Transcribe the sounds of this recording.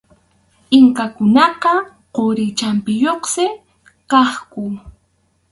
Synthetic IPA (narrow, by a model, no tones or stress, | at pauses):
ɪŋkakʊnɑqɑ | qoɾɪt͡ʃampɪjoχsɪ | qɑχkʊ